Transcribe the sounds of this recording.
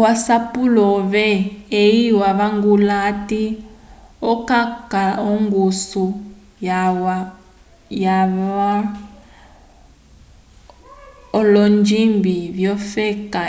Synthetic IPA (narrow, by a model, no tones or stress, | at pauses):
wasapulɔβɛejiwaβaŋɡulati | ɔkakaɔŋɡusu | jaa | jaβa | ɔlɔnd͡ʒimbiβjɔfɛka